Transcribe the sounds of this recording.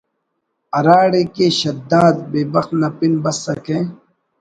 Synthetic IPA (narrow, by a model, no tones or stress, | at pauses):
ɐɾaːɽekeɕɐd̪ːaːd̪̚beːbɐxt̪nɐpinbɐsːɐkẽː